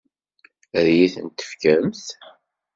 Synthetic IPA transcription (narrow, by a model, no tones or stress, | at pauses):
əɾjiθənt̪ə̥fkæmθ